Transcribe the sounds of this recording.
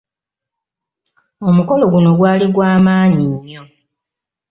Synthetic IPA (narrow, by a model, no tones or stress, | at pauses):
omuko̞lo̞ɡuno̞ɡwaːliɡwaːmaːɲiɲːo̞